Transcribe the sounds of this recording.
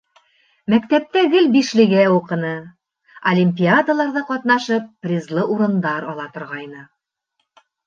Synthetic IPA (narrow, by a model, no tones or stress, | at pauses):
mækt̪æp̚t̪æɡɘlbiʃlɘ̆ɡæuqɤ̆nɤ | ɐlʲimʲpʲiad̪alˠɑɾðɤqɑt̪n̪ɑʃɤpːrʲizlˠɤʔuɾɤ̆nd̪ɑɾɒlˠɑt̪ŏɾʁɑjnɤ